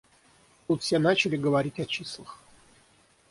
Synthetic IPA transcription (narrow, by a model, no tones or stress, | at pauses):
ut̪sʲenat͡ɕɪlʲɪɡəvɐɾʲitʲɐt͡ɕislˠəx